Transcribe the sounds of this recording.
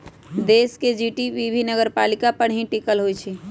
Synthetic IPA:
d̪esked͡ʒiʈibibʱinəɡəɾpalikapəɽ̤̃ɦĩʈikəlɦojt͡ʃʰɛ

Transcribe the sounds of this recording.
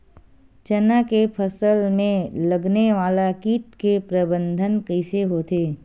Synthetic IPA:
t͡ʃɐnakepʰɐsəlmẽlɐɡneʋaːlakiːʈkepɾɐbə̃nd̪ʱənkəɪseɦoːt̪eː

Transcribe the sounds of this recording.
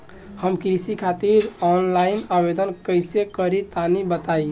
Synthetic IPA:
həmkɾisikʰat̪iɾɔnlainabed̪ənkəɪsekəɾit̪anibət̪aj

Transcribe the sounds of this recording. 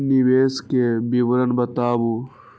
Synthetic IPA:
niʋeːskebibɾɐnbɐt̪aːbu

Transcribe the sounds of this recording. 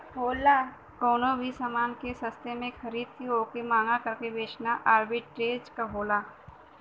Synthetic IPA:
ɦoːla | koːnobʱisamaːnkesɐst̪emẽxʰɐɾiːd̪̚t̪ʰioːkimaːŋɡakɐɾkeʋeːt͡ʃnaʔaːɾbiʈʈɾeːd͡ʒkaɦoːlaː

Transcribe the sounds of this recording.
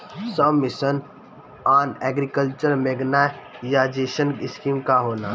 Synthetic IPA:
səmːɪsən | aːnɛːɡɾikəlt͡ʃəɾmeːɡnajad͡ʒeːʃənɪskiːmkaɦoːnaː

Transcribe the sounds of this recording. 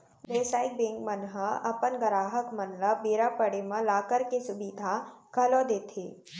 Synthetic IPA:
beːsaːɪk̚bẽːŋɡmənɦəɐpənɡəɾaːɦəkmɐnləbeːɾapəɽemə̃laːkəɾkesʊbid̪ʱakʰɐlod̪eːt̪ʰḛː

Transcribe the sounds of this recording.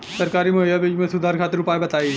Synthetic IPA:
sɐɾkaːɾimɐɦijabiːd͡ʒmẽsʊd̪ʱaːɾkʰaːt̪ɪɾʊpaːebɐt̪aːi

